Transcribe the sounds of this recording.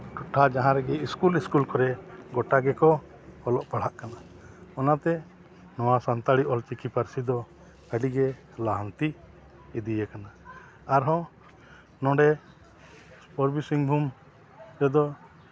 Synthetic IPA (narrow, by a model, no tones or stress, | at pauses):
ʈuʈʰad͡ʒaɦãɾɛɡɛiskuliskulkɔɾɛɡɔʈaɡɛkɔ | ɔlɔʔpaɽ̤aʔkana | ɔnat̪ɛ | nɔwasant̪aɽiʔɔlt͡ʃikipaɾsid̪ɔ | əɖiɡɛ | laɦant̪iː | d̪ijɛkana | aɾɦɔ̃ | nɔ̃ɖɛ | pɔɾbisiŋbʱum | ɾɛd̪ɔ